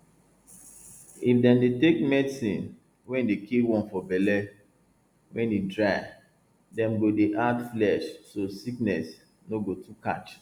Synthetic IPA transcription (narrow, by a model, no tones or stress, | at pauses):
ifdɛ̃mdetekmɛdsĩn | wɛ̃ndekiwɔ̃nfɔbɛlɛ | wʔɛ̃ndedɹaɪ | dɛ̃mɡodeʔadflɛʃsosiknɛs | noɡotʰuka̰t͡ʃ